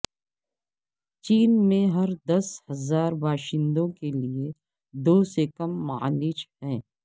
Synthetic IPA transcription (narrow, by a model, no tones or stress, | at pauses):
t͡ʃiːnmẽɦɐɾd̪ɐshɐzaːɾbʱaːʃɪ̃nd̪õkelie | d̪oːsekɐmːaːliːt͡ʃɦɛ̃ː